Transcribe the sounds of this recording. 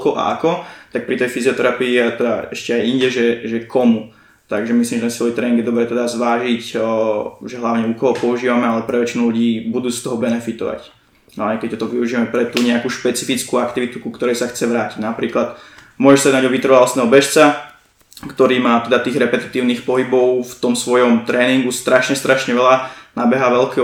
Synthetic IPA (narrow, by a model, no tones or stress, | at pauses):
kɔʔa̰ʔakɔt̪ak̚pɾit̪ɛjfiziɔt̪ɛɾapiiat̪ɛd̪aɛʃcɛajiɲɟɛʒɛʒɛkʰɔmu | t̪aɡʒɛmis̬limʒɛt̪ɛnsɛlit̪ɾɛiŋɡjɛd̪ɔbɾɛːt̪ɛd̪azʋaːʒic | ʒɛɦlaʊɲɛukɔɦɔpɔuʒiːʋamɛalɛpɾɛʋɛt͡ʃinuluɟiːbud̪uːst̪ɔɦɔbɛnɛfit̪ɔ̰ʋa̰c | ɦlaɲɛkɛc̚t̪ɔt̪ɔʋiuʒiːʋamɛpɾɛt̪uːɲɛakuːʃpɛt͡sifit͡skuakt̪iʋit̪ukukt̪ɔɾɛjsaxt͡sɛʋɾaːciɟnapɾiːklat̪ | mʊɔʒɛʃsaɛdnaɟd̪ɔʋit̪rɾʋalɔst̪nɛːɦɔbɛʃt͡sa | kt̪ɔɾiːmaːt̪ɛd̪at̪iːɣɾɛpɛt̪i̥t̪iːʊniːxpɔɦibɔʊft̪ɔmsʋɔjɔmt̪ɾɛːniŋɡust̪ɾaʃɲɛst̪ɾʔaʃɲɛʋɛʎanabɛɦaːʋɛʎkɛ